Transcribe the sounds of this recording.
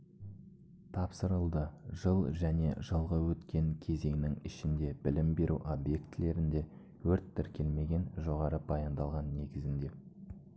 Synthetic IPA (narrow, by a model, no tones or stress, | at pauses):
t̪ʰɑpsəɾəlˠd̪əʒəlˠʒæne̞̰ʒəlˠʁəwɵt̪kʲe̞ŋkʲʰe̞ze̞ŋɪnɪŋɪʃɪnd̪e̞bɪlɪmbe̞ɾʔuʔobje̞kt̪ɪle̞ɾɪnd̪e̞ | wɵɾt̪ʰːɪɾkʲʰe̞lme̞ɡʲe̞nʒo̞ʁɑɾəb̥ɑjɑnd̪ɑlˠʁɑnːe̞ɡʲɪzɪnd̪e̞